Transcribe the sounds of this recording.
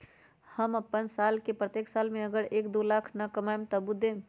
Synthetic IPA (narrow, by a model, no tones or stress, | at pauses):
həmɐpːənsaːlkepɾət̪eːksaːlmẽəɡəɾeːkd̪olaːkʰnakəmaːɪmt̪əbud̪ʱẽː